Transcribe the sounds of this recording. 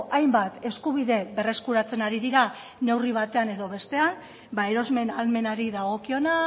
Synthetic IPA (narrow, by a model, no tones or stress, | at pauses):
ʔajmbat̪e̞skuβiðe̞be̞re̞skuɾat͡se̞naɾiðiɾa | ne̞wriβ̞at̪e̞ane̞ðo̞βe̞st̪e̞an | bae̞ɾo̞zme̞nalme̞naɾiðaɣo̞kio̞na